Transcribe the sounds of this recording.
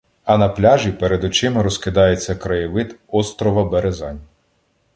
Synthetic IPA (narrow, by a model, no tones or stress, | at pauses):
ɐnɐplʲɑʒʲipeɾed̪ʊt͡ʃɪmɾɔskɪd̪ɑjet͡sʲːɐkɾɐjɪʋɪt̪ɔst̪ɾɔʋɐbeɾezɑnʲ